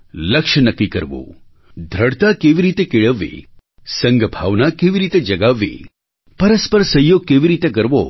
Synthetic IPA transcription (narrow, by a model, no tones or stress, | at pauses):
ləkʃnəkːikəɾʋṵ | d̪ʱɾəɽt̪akeʋiɾit̪ekeɭəʋːḛ | səŋɡbʱaʋnakeʋiɾit̪ed͡ʒəɡaʋːḛ | pəɾəspəɾsəjoɡ̚keʋiɾit̪ek̬əɾʋo̰